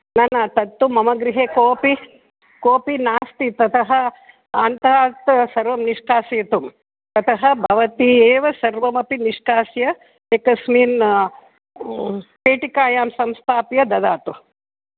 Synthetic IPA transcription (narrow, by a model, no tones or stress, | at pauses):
nɐnɐt̪ɐt̪ːumɐmɐɡɾiɦeːkoːpi | koːpinaːst̪it̪ɐt̪ʰɐɦɐ̆ | ɐnt̪aːt̪sɐɾʋɐmniʂkaːseːt̪um | t̪ɐt̪ʰɐɦɐbʱɐʋɐt̪ieːʋɐsɐɾʋɐmɐpiniʂkaːsjɐ | ekɐsmiːn | peːʈikaːjaːmsɐmst̪ʰaːpjɐd̪ɐd̪aːt̪u